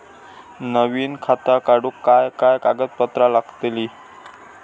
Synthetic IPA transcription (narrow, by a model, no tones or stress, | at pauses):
nəʋiːnkʰat̪akaɽukːajkajkaɡət̪̚pət̪ɾalaɡt̪eliː